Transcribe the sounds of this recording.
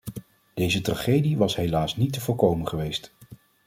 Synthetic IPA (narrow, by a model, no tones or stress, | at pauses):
d̥ejzətraχejdiʋɑsɦejlaːsnitːəvʊːlkowmənχəʋejst